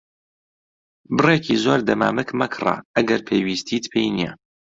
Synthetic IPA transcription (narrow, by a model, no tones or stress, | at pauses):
bɨrekʰizoːɾd̪ɐma̰ːmɨkmɐkʰrˤa̰ɐɡɐɾpʰeːwiːst̪ʰit̪pʰejnijɛ